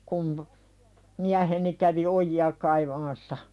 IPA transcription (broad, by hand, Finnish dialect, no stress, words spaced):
kum miæheni kæʋi ojiɑ kɑiʋɑmɑsːɑ